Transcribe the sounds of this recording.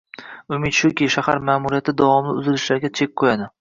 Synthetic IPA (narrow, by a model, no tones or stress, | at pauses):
ʊmɪt̪ʃʊkʲiʃahaɾmaːmʊɾijat̪ʰɪd̪avɒmlɪʊzɪlɪʃlaɾɡʲat͡ʃʰe̞k̚ʲqʰojad̪ɪ